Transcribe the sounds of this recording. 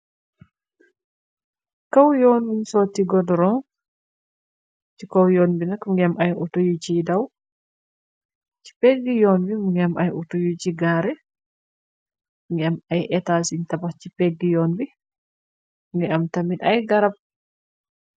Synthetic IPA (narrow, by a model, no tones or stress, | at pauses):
kawjɔːnbinsotːiɡɔdɾɔŋ | t͡ʃikɔwjoːnbinakŋɡɛmʔajʔɔtujut͡ʃidaw | t͡ʃi̥pɛɡːijɔnbimŋɡɛmʔajutujut͡ʃiɡaɾɛ | ŋɡɛmajʔɛtaːsintabaht͡ʃipɛɡːijɔːnbi | ŋɡɛamtaminʔajɡaɾab̚